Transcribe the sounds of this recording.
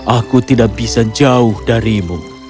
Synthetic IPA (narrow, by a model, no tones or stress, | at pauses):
ʔakut̪idak̚bisad͡ʒaʊhdaɾimu